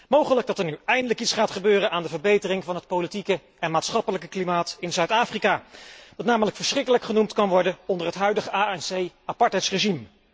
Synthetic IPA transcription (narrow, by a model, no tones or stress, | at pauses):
mowχələɡ̚dɑtəɹnyɛjndələkitsχaːtχəbøːrənaːndəvəɹbejtərɪŋvɑnɦət̚powlitikə | ɛnmaːtsχɑpələkəklimaːtɪnzœɥtaːfrikaːʋɑtnaːmələkfəɹsχrɪkələkχənumtkɑnʋɔɹdənɔndərɦətɦœɥdəχəaːɛnsejapɑɹtɛjtsreʒim